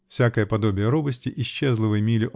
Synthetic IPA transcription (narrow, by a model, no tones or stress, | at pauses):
fsʲakəjəpɐd̪obʲɪjəɾubəsʲtʲɪʔɪɕt͡ɕːɛzlˠɨvɨjmʲilʲɪʔ